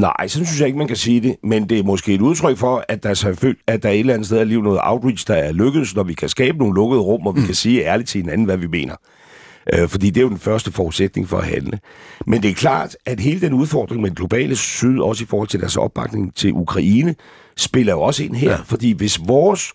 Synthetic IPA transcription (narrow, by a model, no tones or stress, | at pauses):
nɑ̈ɪ̰sɒ̽nsynsjɑ̈e̝ɡ̥əmænkʰæsiːd̥e̝mend̥e̝æɐmɒ̽sɡ̥e̝ːeɾuð̞ˠt͡sʰʁœɡ̥fɒ̽æ̥ɑ̈sɑɪfø̰ːld̥æd̥ɑ̈æɐe̝d̥lænð̩steð̞ˠɐliːʊnɔ̽ːð̩ˠɑ̈ʊd̥ʁid̥sd̥ɑ̈æɐløɡ̥əð̩ˠsnɒʋikʰæsɡ̥ɛ̰ːbəno̝ːn̩lɔ̽ɡ̥əð̞ˠʁɔ̽m̰ɒ̽ʋikʰæsiːæɐli̥t͡sʰe̝he̝næn̩ʋæʋime̝̰ːnɐ | ʔøfɒ̽d̥ḭːd̥eæjo̝d̥enfɶɐsd̥əfɒːud̥sed̥ne̝ŋfɒ̽æhænləmend̥e̝æɐkʰlɑ̰̈ːd̥æd̥ɦe̝ːləd̥enuð̞ˠfɒːd̥ʁeŋmedenɡ̥lo̝b̥ɛ̰ːləsyð̞̰ˠɒ̽səifɒːhɒ̽l̰t͡sʰe̝d̥æɐsɒ̽b̥̚ɑ̈ɡ̥ne̝ŋt͡sʰe̝lʔukʰʁɑ̈iːnə | sb̥e̝lɐjo̝ɒ̽səe̝n̰ɦeɐ̰fɒ̽d̥ḭːʋe̝sʋɒːs